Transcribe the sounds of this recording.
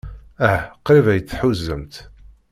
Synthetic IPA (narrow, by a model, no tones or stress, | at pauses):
æqːɾivæjət͡sːħuzːəmt̪